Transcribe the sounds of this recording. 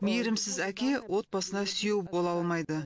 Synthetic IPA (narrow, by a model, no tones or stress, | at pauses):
mijɾɪmsɪzækʲe̞wʔo̞t̪̚bɑsənɑsʏjewbo̞lˠɑlˠmɑjd̪ə